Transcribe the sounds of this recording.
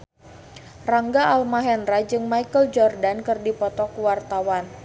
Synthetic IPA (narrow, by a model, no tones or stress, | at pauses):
raŋɡaʔalmaɦɛnrad͡ʒɨŋmaikəld͡ʒɔrdankɨrdipɔt̪ɔkuwart̪awan